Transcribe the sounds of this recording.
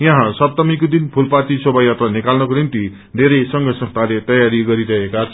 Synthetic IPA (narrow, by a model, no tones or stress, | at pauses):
jãɦãsʌbt̪ʌmikod̪inpʰulpat̪isobajat̪ranikalnʌkonint̪i | d̪ʱeɾʌjsʌŋɡʱʌsʌ̃kt̪alet̪ʌjaɾiɡʌɾiɾʌekat͡sʰ